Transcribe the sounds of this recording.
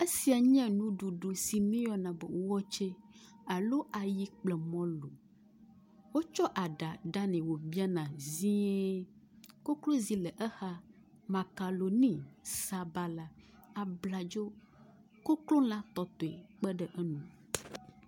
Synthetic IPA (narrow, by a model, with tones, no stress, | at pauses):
e˦si˨a˨ɲɛ̃˦nũ˦ɖu˨ɖo˨si˨mẽ˦jɔ˦nã˨bɛ̰˨wo˦wɔ˦t͡ʃe˦ | a˨lo˦ʔa˨ji˦k͡plɛ˨mɔ̃˦lo˨ | wo˦t͡ʃɔ˦ʔa˨ɖa˨ɖa˦nɛ̃˨wo˨bi˦a˦nã˨zĩ˦ɛ˦ | ko˦klo˦zi˦lɛ˨ʔɛ˦xa˦ | ma˨ka˨lo˨nĩ˦sa˨ba˦la˦a˨bla˨d͡ʒo˦ | ko˦klo˦lã˦t̪ɔ˨t̪o˨ɛ˨k͡pɛ˦ɖɛ˦ʔɛ˦nũ˨